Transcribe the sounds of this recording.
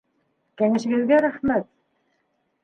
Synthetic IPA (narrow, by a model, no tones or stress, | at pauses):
kæŋɘ̆ʃɘ̆ɡɘ̆zɡæɾæχmæt̪